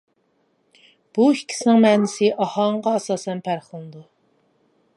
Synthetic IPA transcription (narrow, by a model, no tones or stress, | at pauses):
b̥uhikʲʰːi̥snɪŋmɛːnɪsɪʔɑhɑɴʁɑɛsɑːsɛnpʰæɾχəlˠɨd̪u